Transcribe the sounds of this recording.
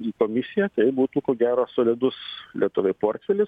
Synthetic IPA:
iːkoːmʲɪsʲɪjæt̪ɐɪbuːt̪uːkoːɡʲæːɾoːsoːlʲɪd̪ʊslʲiɛt̪ʊʋʲɛɪpoːrʲt̪ʲfʲɛlʲɪs

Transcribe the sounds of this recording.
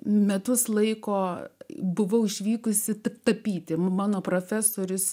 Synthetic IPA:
mʲɛt̪ʊslˠɐɪkoːbʊʋɐʊɪʃʲʋʲiːkʊsʲɪt̪t̪ɐpʲiːt̪ʲɪmɑːnoːpɾofʲæːsoːɾʲʊs

